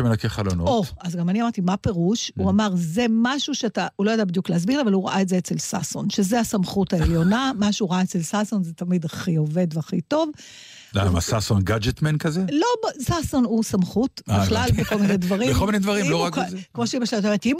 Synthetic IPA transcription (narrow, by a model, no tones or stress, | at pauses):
ʃemelakeχalonooazɡamaniamaʁtimape̞ʁuʃuamaʁze̞maʃuʃeataulojodabid̪juklehaz̬biʁlavaluʁa̰ʔaetzeet͡selsa̰sonʃe̞ze̞asamχutaeljo̞namaʃuʁaaet͡selsaso̞nzetɐmid̪aχio̞ve̞d̪veaχito̞v | la̰ma̰sasonɡad͡ʒet̪menkazelo̞bsaso̞nusamχutiχlalbeko̞lminedvɐʁiekolmined̪vɐʁimmloʁakmoʃibaʃajt̪̬meet̪im